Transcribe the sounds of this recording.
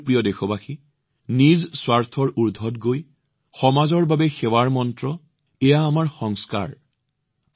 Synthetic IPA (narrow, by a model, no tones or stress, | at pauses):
pɹijɔdexɔbaxi | nizswaɹtʰɔɹuɹdʱːɔtɡoj | xɔmazɔɹbabɛxɛwaɹmɔntɹɔ | ɛjaːmaɹxɔŋska̰ɹ